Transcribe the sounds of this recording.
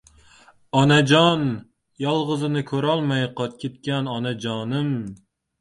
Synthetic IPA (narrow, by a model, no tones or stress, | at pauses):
ɒnad͡ʒɒn | jɒlˠʁɨzɪnɪkʰɵɾɒlˠmajqʰɒt̪̚kʲʰet̪kʲanɒnad͡ʒɒnɪm